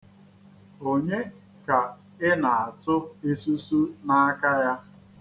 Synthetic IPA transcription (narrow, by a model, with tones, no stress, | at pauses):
o˨ɲe˦ | ka˨ | ɪ˦na˨a˨tʊ˦e˦su˦su˦na˦a˦ka˦ja˦